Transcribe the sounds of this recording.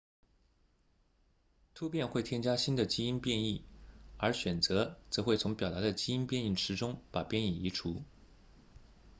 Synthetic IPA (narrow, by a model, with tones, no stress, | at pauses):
t̪ʰu˥pjɛ˥˧nxwe˥˩ɪt̪ʰjɛ˥nt͡ɕja˥ɕi˥nd̪ə˨t͡ɕi˥i˥npjɛ˥˧ni˥˩ə˞˧˥ɕɥɛ˨˩nt͡sɤ˧˥t͡sɤ˧˥xwe˥˩ɪt͡sʰʊ˧˥ŋpjɑ˨˩t̪a˧˥d̪ə˧t͡ɕi˥i˥npjɛ˥˧ni˥˩ʈ͡ʂʰɻ̩˧˥ʈ͡ʂʊ˥ŋpa˨˩pjɛ˥˧ni˨˩i˧˥ʈ͡ʂʰu˧˥